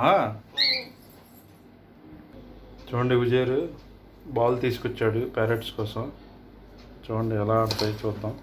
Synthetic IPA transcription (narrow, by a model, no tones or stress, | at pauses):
ɦa | t͡ʃoːɳɖiʋud͡ʒeːɾu | baːlt̪iːsu̥kɔt͡ʃːaːɽupaːɾeʈskɔːsɐm | t͡ʃoːɳɖiɛlaːɐɽt̪aːjit͡ʃuːd̪ːam